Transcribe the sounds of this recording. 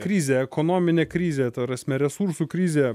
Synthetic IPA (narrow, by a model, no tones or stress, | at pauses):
kɾʲiːzʲeːɛkɔnoːmʲɪnʲeːkɾʲiːzʲeːt̪ɐpɾɑsʲmʲɛɾʲɛsuːɾsuːkɾʲiːzʲeː